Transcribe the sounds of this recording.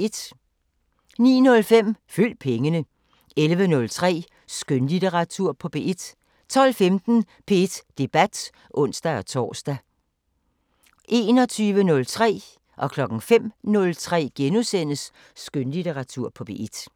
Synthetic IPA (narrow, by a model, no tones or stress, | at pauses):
ed̥ | nḭːnɔ̽lfem̰fyl̰d̥̚pʰeŋənə | elʋənɔ̽lt͡sʰʁɛ̰ː | sɡ̥ønlideʁɑ̈t͡sʰuɐ̰pʰɒ̽b̥e̝ʔe̝d̥ | t͡sʰɒ̽l̰femd̥n̩ | pʰe̝ed̥d̥e̝b̥æd̥ | ʔɔ̽n̰sd̥æɒ̽t͡sʰɒ̰ːsd̥æ | ʔe̝ːnɒ̽t͡sʰyːʋənɔ̽lt͡sʰʁɛ̰ː | ʔɒ̽kʰlɒ̽ɡ̥ŋ̩fem̰nɔ̽lt͡sʰʁɛ̰ːɡ̥enusen̰əsː | ɡ̥ønlit͡seʁɑ̈t͡sʰuɐ̰pʰɒ̽b̥e̝ed̥